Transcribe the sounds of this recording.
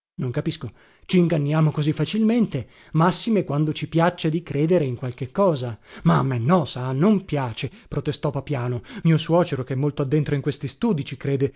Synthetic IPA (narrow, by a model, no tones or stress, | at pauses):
noŋkapisko | t͡ʃiːŋɡanːjaːmokozifːat͡ʃilment̪e | masːimekwand̪ot͡ʃipjat͡ʃːed̪ikɾʔeːd̪eɾeiŋkwalk̟ekːɔːzamamːenːɔsanompjaːt͡ʃepɾot̪est̪ɔpapjaːnomiːoswɔːt͡ʃeɾokeɛmːolt̪oad̪ːent̪ɾoiŋkwest̪ist̪uːd̪it͡ʃikɾeːd̪e